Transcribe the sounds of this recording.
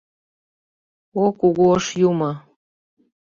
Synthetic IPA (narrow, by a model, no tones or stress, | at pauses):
okuɣoəʃjumə